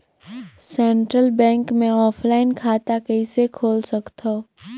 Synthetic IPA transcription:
sɛ̃ːɳʈɾəlbɛ̃ːŋkmẽɔːpʰlaːɪnkʰaːt̪akəɪsekʰoːlsɐkt̪ʰoː

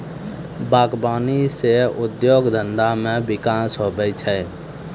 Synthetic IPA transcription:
baːkbaːniseʊd̪joːɡd̪ə̃nd̪amẽbɪkaːsɦoːbəit͡ʃʰə

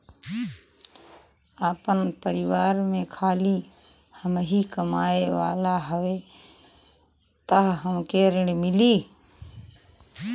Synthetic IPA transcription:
aːpənpəɾɪʋaːɾmẽkʰaːli | həmɦikəmaːeʋa̰ːlaɦəʋe | t̪əɦɦəmkeːɾəɳmɪliː

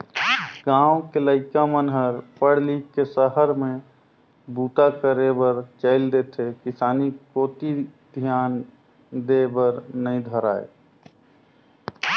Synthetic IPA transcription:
ɡãːwokeləɪkamənɦəɾpəɽlikesəɦəɾmẽ | buːt̪akəɾebəɾt͡ʃəɪld̪et̪ʰekɪsaːnikoːt̪id̪ʱjaːn | d̪ebəɾnəĩd̪ʱəɾaːḛ

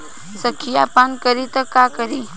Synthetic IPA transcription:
səkʰːijapaːnkəɾit̪ɐkaːkəɾiː

